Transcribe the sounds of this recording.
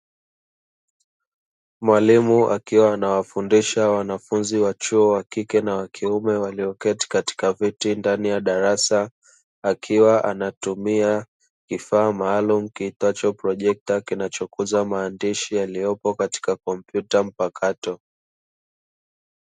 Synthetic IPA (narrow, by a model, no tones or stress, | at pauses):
mwalimuʔa̰kiwaːnawafundiʃawanafunziwat͡ʃuɔwakikɛnawakʰiumɛwaliɔkɛti̥kati̥kavitindanijaɗaɾasa | akʰiwaʔanatumia | kifaːmaːlumukiitat͡ʃɔpɾɔʄɛk̚takinat͡ʃɔkuzamaːndiʃijalijɔpɔkati̥kakɔm̩pjutam̩pakʰatɔ